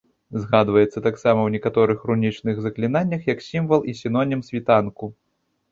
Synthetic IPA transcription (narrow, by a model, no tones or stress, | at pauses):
zɣad̪vɐjɛt̪sːɐt̪aksamɐwnʲɛkat̪ɔɾɨxrunʲit͡ʂnɨɣzɐklʲinanʲːɐxjɐksʲimvɐlˠisʲin̪ɔnʲimsʲvʲit̪anku